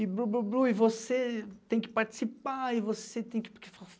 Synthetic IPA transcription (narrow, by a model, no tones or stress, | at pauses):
ɪbɾubɾubɾuɪvoset̪ẽj̃kɪ̥paɾt͡ʃi̥sipaivoset̪ẽj̃kɪ̥kefa